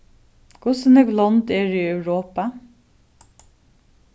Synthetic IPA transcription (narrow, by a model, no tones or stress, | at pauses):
kʰʊsənɛɡlɔnd̪eːɹiːœʉɹoːpɑ